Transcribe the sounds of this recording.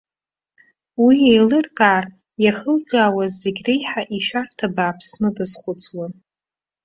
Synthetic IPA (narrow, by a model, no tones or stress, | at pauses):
wiejlɨrkʼaːr | jaχəlʈ͡ʂʼaːwazːe̞ɡʲrejħaʔiʃᶣartʰabaːpʰsnɨdɨzχʷʊt͡sʼʰwan